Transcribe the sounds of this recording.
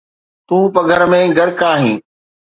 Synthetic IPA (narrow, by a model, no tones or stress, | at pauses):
t̪ũːpəɡʱəɾmẽːɡʱɐɾkaːɦĩː